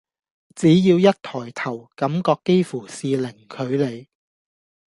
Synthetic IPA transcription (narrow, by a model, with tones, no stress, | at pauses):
t͡siː˨˥jiː˧wjɐ˥t̚t̪ʰɔː˨˩jt̪ʰɐ˨˩wkɐ˨˥mkɔː˧kːe˥jfuː˨˩siː˨lɪ˨˩ŋkʰɵ˨˧ɥle˨˧j